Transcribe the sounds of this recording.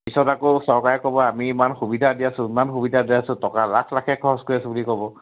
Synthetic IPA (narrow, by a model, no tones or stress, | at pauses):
pisɔtakosɔɹkaɹɛkɔbɔamiːmanxubidʱadijasʊ̃imanxubidʱadijasʊ̃tɔkalakʰlakʰɛkʰɔɦɔskoɹiasɛ̃bulikɔbɔ